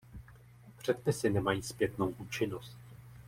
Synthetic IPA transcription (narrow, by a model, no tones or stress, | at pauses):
pr̝̥ɛt̪pɪsɪnɛmajiːspjɛt̪no̞wʔuːt͡ʃɪno̞st̪